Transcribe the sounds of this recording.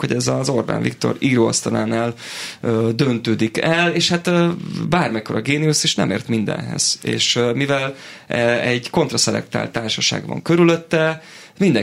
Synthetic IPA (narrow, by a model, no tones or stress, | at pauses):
ho̞ɟɛzɒzo̞rba̰ːnvḭkt̪o̞̰riːɾoːɒ̰st̪ɒnaːnaːløːd̪ønt̪øːd̪ikɛleːʃhat̪ːbaːrmɛkoɾɒɡeːnijusiʃnɛ̰meːrt̪mind̪ɛ̰nɦɛ̰z̥ḛːʃmivɛlɛɛɟko̞nt̪rɒsɛlɛ̰k̚t̪a̰ːlt̪aːrʃɒʃa̰ːɡvɒ̰ŋkø̞ɾyløt̪ːɛ | mind̪ɛ